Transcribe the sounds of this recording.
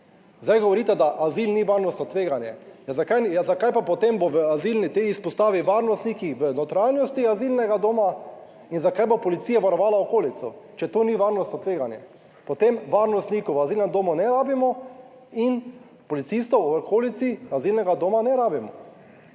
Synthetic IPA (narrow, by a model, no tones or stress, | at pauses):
zd̪ajɡɔʋɔɾiːt̪ɛd̪aʔazilniʋaɾnɔst̪nɔt̪ʋeːɡanjɛ̰jzakajzakajpapɔt̪emboʋəazilnit̪eispɔst̪aːʋiʋaɾnɔst̪nikixʋənɔt̪ɾalnɔst̪iazilnɛɡad̪oːma | inzakajbopɔlit̪sijaʋaɾɔʋaːlaɔkoːlit̪sɔt͡ʃɛt̪oniʋaɾnɔst̪ɔt̪ʋeːɡanjɛ̰ | pɔt̪emʋaɾnɔst̪nikɔʋaziːlnɛmd̪oːmɔnɛɾaːbimɔ | in | pɔlit̪sist̪ɔwɔkʰoːlit̪siazilnɛɡad̪oːmanɛɾaːbimɔ̰